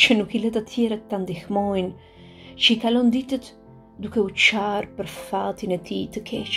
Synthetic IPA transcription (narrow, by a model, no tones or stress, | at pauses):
t͡ʃənukilɛt̪at̪ʰjɛɾat̪ːand̪ixmɔjn | t͡ʃəikalɔnd̪it̪ət̪ | d̪ukɛut͡ʃaɾpəɾfat̪inɛt̪ʰit̪əkʰɛt͡ʃ